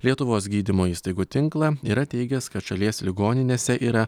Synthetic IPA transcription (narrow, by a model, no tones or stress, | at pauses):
lʲiɛt̪ʊʋoːs̬ɡʲiːd̪ʲɪmoːiːst̪ɐɪɡuːt̪ʲɪŋklˠɐiːɾɐt̪ʲɛɪɡʲɛskɐt̪ʃɐlʲiɛsʲlʲɪɡoːnʲɪnʲeːsʲɛʔiːɾɐ